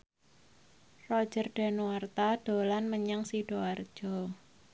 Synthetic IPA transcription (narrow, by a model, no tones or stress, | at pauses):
rɔ̥d͡ʒ̥ərɖ̥ɛ̤nuwart̪aɖ̥o̤lanməɲaŋsiɖ̥oard̥ʒ̥ɔ